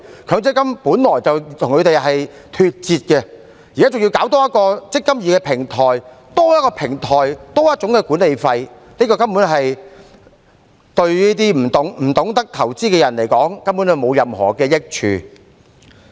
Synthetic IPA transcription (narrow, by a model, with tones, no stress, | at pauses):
kʰœː˨˧˥ŋt͡sɪ˥kːɐ˥mpuː˨˥nlɔː˨˩jt͡sɐ˨wt̪ʰʊ˨˩ŋkʰɵ˨˧t̪e˨jɦɐ˨j | t̪ʰyː˨t̚t͡siː˨t̚kɛ˧ | ji˨kaː˨˥t͡sʊ˨ŋjiː˧wkaː˨˥wt̪ɔː˥jɐ˥t̚kɔː˧t͡sɪ˥kːɐ˥mjiː˨˧kɛː˧pʰɪ˨˩ŋt̪ʰɔː˨˩j | t̪ɔː˥jɐ˥t̚kɔː˧pʰɪ˨˩ŋt̪ʰɔː˨˩jt̪ɔː˥jɐ˥t̚t͡ʃʊ˨˥ŋkɛ˧kuː˨˥nle˨˧jfɐ˧j | niː˥kɔː˧kɐ˥mpuː˨˥nɦɐ˨j | t̪ɵ˧ɥliː˥t̪iː˥m̩˨˩t̪ʊ˨˥ŋm̩ː˨˩t̪ʊ˨˥ŋt̪ɐ˥k̚t̪ʰɐ˨˩wt͡siː˥kɛː˧jɐ˨˩nle˨˩jkɔː˨˥ŋkɐ˥mpu˨˥nɐ˨wmo˨˧wjɐ˨mhɔ̰ː˨˩kɛː˧jɪ˥k̚t͡ʃʰy̰ː˨˧